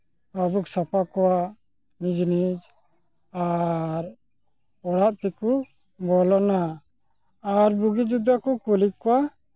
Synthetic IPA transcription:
abuksapakɔwa | mid͡ʒnid͡ʒ | aɾ | ɔɽaʔt̪ɛku | bɔlɔnaː | ɾbuɡid͡ʒud̪akukulikɔwa

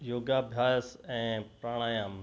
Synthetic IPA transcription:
joːɡabʱjaːsɛ̃ːpɾaːɽ̃aːjãm

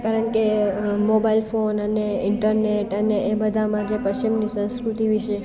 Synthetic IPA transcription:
kaɾəɳkemobailfonəneɪɳʈəɾneʈəneːbəd̪ʱamãd͡ʒepəɕt͡ʃimnisə̃skɾut̪iʋiʃe

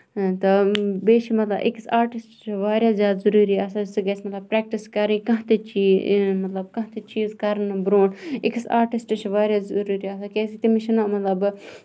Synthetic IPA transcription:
t̪ɐbeːʃimɐt̪lɐ̰bʔḭksaːɾʈisʈt͡ʃʰiʋaːɾjazʲaːt̪zɐɾuːɾiaːsasɨɡɐsmɐt̪lɐb̚pɾɛːk̚ʈiskɐɾĩkɐ̃ɦt̪et͡ʃiːmɐt̪lɐbkɐ̃ɦt̪et͡ʃiːzkɐɾnbɾõːɖɪksaːɾʈisʈt͡ʃʰiʋaːɾjazɾuːɾiaːsakeːsit̪imiʃinamɐt̪lɐb

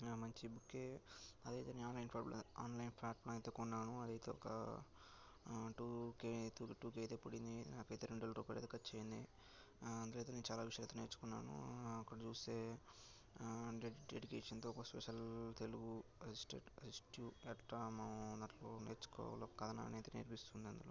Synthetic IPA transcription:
mɐɲt͡ʃibukːeɐd̪ɐjt̪eːneaːnlɐjnpʰaːlaːnlɐjnpʰaːʈ̚plaɐjt̪oːkɔnːaːnuɐd̪ɐjt̪e̞ːɔkɐ̰ | ʈuːket̪uːkʈuːkejt̪eːpuɽind̪inaːkɐjt̪eːɾeɳɖulɐɾuːpajlḛːt̪ːkɐt̪ːt͡ʃeːjind̪i | ɐnd̪lejt̪enent͡ʃaːlaːʋiʂɐjɐlːjt̪oneːɾt͡ʃu̥kunːa̰ːnṵɐkːɐɽɐt͡ʃuːse̞ː | ɖɖeɖikeːʂɐnt̪oːɔkɐspɛʂɐlt̪eluɡuɐsisʈḛʈɐsisʈjuɛʈːɐmad̪ɐʈloːneːɾt͡ʃu̥kɔ̰ːlokɐd̪ʰɐna̰ːnejt̪eːneːɾpist̪und̪iɐnd̪uloː

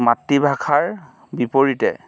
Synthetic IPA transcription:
matːibʱakʰaɹ | bipoɹitɛ

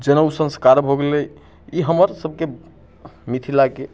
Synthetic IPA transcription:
d͡ʒenausə̃nskaɾbʱoɡele | iɦəməɾsəb̚ke | mit̪ʰilake

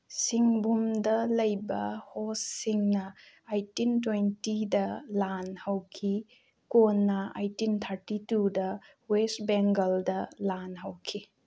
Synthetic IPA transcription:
siŋbumdɐlɐjbɐhosːiŋnɐ | ajtintwentidɐlanhɐwkʰi | konːɐa̰jtint̪ʰɐɾtitudɐ | westbeŋɡɐldɐlanɦɐwkʰi

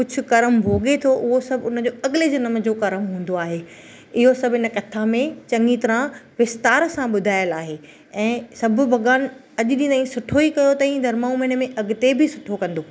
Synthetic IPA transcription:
kʊd͡ʑʱʰʊ̆kɐɾəmbʱoːɠet̪ʰoʔʊɦosɐbʱʊnə̆d͡ʑoːɐɠɪled͡ʑɐnəmə̆d͡ʑoːkɐɾəmɦũːn̆d̪oaːɦe | ɪɦosɐbʱɪnə̆kɐt̪ʰamẽt͡ɕɐ̃ŋɡit̪ɐɾãʋɪst̪aːɾsãɓʊd̪ʱaːjəlaːɦe | ɛ̃ːsɐbʱʊ̆bʱɐɡaːn | ɐʄɗĩːnd̪aĩsʊʈʰoikɐjot̪ɐ̃ĩd̪ʱɐɾmaːũmeːnmẽʔɐɡʊt̪ebʱɪsʊʈʰokɐ̃nd̪oː

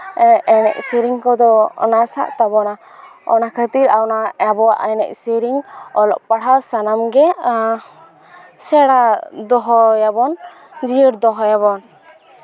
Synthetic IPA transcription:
ɛnɛ̰ʔsəɾiŋkɔd̪ɔɔ̰nasa̰ʔt̪abɔna | ɔ̰nakʰət̪iɾawnaabɔwa̰ʔənɛ̰ʔsiɾiŋɔlɔ̰ʔpaɽawsanamɡɛ | sɛɽad̪ɔɦɔjabɔn | d͡ʒiəɾd̪ɔɦɔjaβɔn

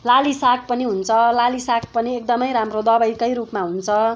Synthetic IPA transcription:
lalisak̚pʌniɦunt͡sʰʌlalisak̚ʰpʌniekd̪ʌmʌjɾamrod̪ʌbʌjkʌjɾupmaɦunt͡sʰʌ

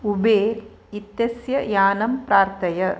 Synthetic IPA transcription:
ubeːɾ | it̪jɐsjɐjaːnɐmpɾaːɾt̪ɐjɐ

